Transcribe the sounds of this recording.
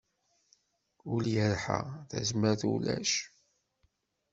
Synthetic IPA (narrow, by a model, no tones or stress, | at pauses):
ʊljəɾħa̰θæzməɾθulæʃ